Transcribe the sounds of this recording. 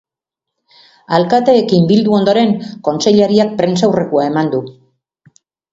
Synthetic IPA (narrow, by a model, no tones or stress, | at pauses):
alkat̪e̞ːkimbild̪uo̞nd̪o̞ɾe̞ŋko̞nse̞ʎaɾiak̚pɾe̞nsawre̞kuae̞mand̪u